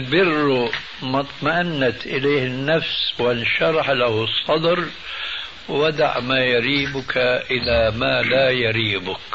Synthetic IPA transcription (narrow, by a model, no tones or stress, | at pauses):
lbɪrːu | mɑt̪ˤmaʔanːat̪ʔɪleːhɪnːafswɪnʃɑɾˤɑħlahʊsˤːɑd̪ɾ | wad̪a̰ʕmaːjaɾiːbʊkʰaʔɪlamaːlaːjaɾiːbʊk